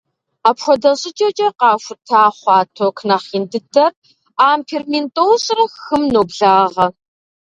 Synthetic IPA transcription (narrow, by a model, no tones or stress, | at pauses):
aːpxʷɔdɐɕʼɪt͡ʃʼɐt͡ʃʼɐqɑːʂʷʊtʰaːχʷɑːtʰokʰnɐχiːndɨdɐr | aːmpʰermentʼoːwɕʼrɐxɨmnoːbɮaːʁɐ